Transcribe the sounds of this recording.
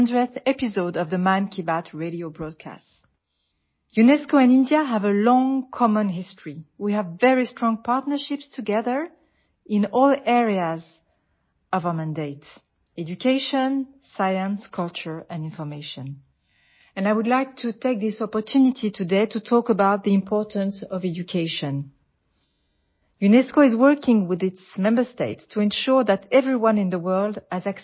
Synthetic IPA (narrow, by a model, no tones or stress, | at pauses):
ndɹɛθɛpizoʊdʌvðəmãɪ̃nkʰibatʰɹeɾiobɹɔd̚kʰa̰st | junɛskoɛ̃nɪ̃ndiaɦævəlɔ̃ŋkʰɔmə̃nɦɪstʰɹ̥iwiævːɛɹistɹ̥ɔ̃ŋpʰaɹtnə˞ʃɪpstʰuɡɛðə˞ | ɪ̃nɔlɛɹiaz | ʌvamæ̃ndeɪt | ɛd͡ʒukʰeɪʃə̃n | sajə̃nskʰʌlˠt͡ʃə˞ɛ̃nɪ̃nfɔ˞meɪʃɔ̃n | ɛ̃naɪwudˡlaɪk̚tʰutʰeɪk̚ðɪsɔpɔtʰʉnitʰitʰudeɪtʰutʰɔkəbaʊt̪̚ðiɪ̃mpʰɔɹtə̃nsɔvɛd͡ʒukʰeɪʃɔ̃n | junɛskoɪzwɜ˞kɪ̃ŋwɪðɪtsmɛ̃mbə˞steɪtstʰuɛ̃nʃuɹðætɛvɹiwʌ̃nɪ̃nðəwɜ˞lˠdɨzak